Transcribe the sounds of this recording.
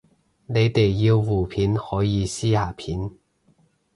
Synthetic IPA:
ne˨˧jt̪e˨˩jːi˧wwuː˨˩pʰiː˨˥nhɔː˨˥jiː˨˧siː˥haː˨˩pʰiː˨˥n

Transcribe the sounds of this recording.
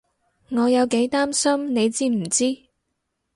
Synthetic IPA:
ŋɔː˨˧jɐ˨˧wke˨˥jt̪aː˥msɐ˥mne˨˧jt͡siː˥m̩˨˩t͡siː˥

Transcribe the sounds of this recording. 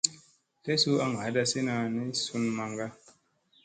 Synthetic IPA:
te˦su˦a˦ŋa˨˦da˧si˦na˧ni˦su˦nma˧ŋɡa˦

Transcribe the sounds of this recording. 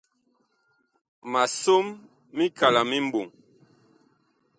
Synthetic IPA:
ma˨so˦mː | i˦kʰa˨la˨mi˦m̩˦bo˨ŋ

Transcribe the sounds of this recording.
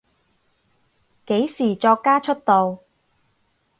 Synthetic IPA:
ke˨˥jsiː˨˩t͡ʃɔː˧kːaː˥t͡ʃʰɵ˥t̚t̪o˨w

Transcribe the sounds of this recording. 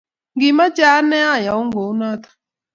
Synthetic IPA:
ŋɡɪ˨ma˦d͡ʒa˨˦nɛ˦a˦˨ja˨u˦ŋɡo˨˦na˦t̪ḁ˨

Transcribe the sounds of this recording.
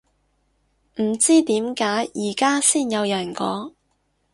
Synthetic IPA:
m̩˨˩t͡siː˥t̪iː˨˥mkaː˨˥jʔiː˨˩kaː˥siː˥njɐ˨˧wjœː˨˩ŋkɔː˨˥

